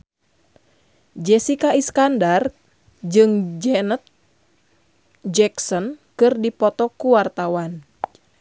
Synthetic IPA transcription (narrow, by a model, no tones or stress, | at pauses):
d͡ʒɛsikaiskandar | d͡ʒɨŋd͡ʒɛnət̪̚ | d͡ʒɛksɔnkɨrdipɔt̪ɔkuwart̪awan